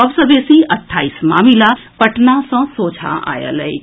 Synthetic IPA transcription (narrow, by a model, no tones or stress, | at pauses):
ɔbsə̃besiəʈʰːaːismaːmilapəʈnasɔ̃soːt͡ʃʰa̰ʔa̰jə̰lɛj